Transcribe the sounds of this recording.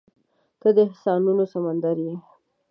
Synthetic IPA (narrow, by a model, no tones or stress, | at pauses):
kəd̪əɪhsɑnunosamand̪aɾje